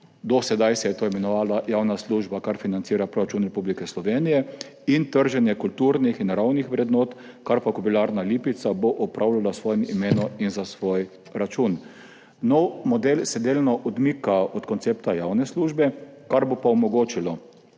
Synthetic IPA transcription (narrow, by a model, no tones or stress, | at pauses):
d̪ɔsɛd̪ajsɛjɛt̪oːimɛnɔʋaːlajawnasluːʒbakaɾfinant̪siːɾapɾɔɾat͡ʃuːnɾɛpublikɛslɔʋeːnijɛ | int̪əɾʒɛnjɛkult̪uɾnixinɾawnixʋɾɛd̪noːt̪kaɾpakɔbilaɾnaliːpit̪saboʔɔpɾʔawlalasʋɔːjɛmimeːnɔinzasʋoːj | ɾat͡ʃun | nɔwmɔd̪elsɛd̪eːlnɔʔɔd̪mikaɔt̪kɔnt̪seːp̚t̪ajawnɛsluːʒbɛkaɾbopaɔmɔɡoːt͡ʃilɔ